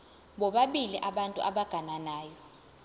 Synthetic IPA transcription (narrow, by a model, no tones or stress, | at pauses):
ɓɔɓaɓiliʔaɓantʼṵʔa̰ɓaɡ̥ʱananaːjɔ